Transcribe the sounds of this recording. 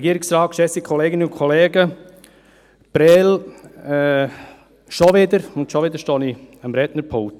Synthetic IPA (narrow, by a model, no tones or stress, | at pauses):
ɛɡiəɾɪksraːkʃɛsikʰɔleːɡɪnəʊnkʰɔleːɡə | b̥ɾɛlɛ | ʃɔʋɪdəɾʊntʃɔʋɪdəɾʃtoniəmɾɛtnəɾpʰʊŋt